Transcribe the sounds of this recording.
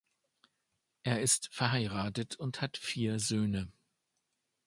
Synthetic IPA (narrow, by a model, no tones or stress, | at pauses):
ʔeːɐɪstfɛɐɦaɪʁaːtətʰʊnthatfiːɐzøːnə